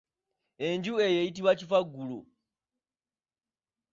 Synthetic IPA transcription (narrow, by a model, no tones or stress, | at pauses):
eɲd͡ʒuejejit̬iβat͡ʃifaɡulo̰